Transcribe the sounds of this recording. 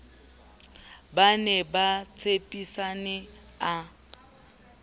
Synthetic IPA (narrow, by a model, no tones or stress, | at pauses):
banɛbat͡sʰepʼisanɛ | a